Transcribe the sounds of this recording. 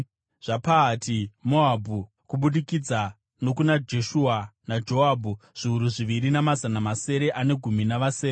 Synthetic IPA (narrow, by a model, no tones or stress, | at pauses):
ʐ̥apaːtʰimoabʱu | kuɓuɗikid͡za | no̞kunad͡ʒe̞ʃuːanad͡ʒo̞aːbʱuʐ̥iuɾuʐiʋiɾinamazanamase̞ɾe̞ʔane̞ɡʱuminaʋaseːɾe